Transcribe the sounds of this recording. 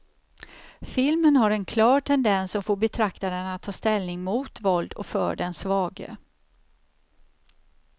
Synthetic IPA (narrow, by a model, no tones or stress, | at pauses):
fɪlmənɦaɾɛnkʰlɑːɾʈʰɛnd̪ɛnsːɔmfoːɾbɛt̪ʰɾakt̪aɾənat̪ʰːɑːst̪ɛlnɪŋmuːt̪vɔld̪ɔ̰fœ̰ːɖɛnsvɑːɡə̰